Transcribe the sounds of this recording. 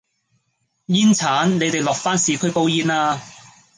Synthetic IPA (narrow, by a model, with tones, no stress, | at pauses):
jiː˥nt͡sʰaː˨˥nne˨˧jt̪e˨jlɔː˨k̚faː˥nsiː˨˧kʰɵ˥jpo˥wjiː˥naː˧˥